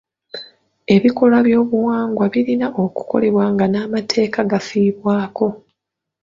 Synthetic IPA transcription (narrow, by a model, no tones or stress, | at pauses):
e̞βiko̞laβjo̞ːβuwaːŋɡwaβiɾinaʔo̞ku̥ko̞̰le̞βwaːŋɡanaːmatʰe̞ːkaɡafiːβwaːko̞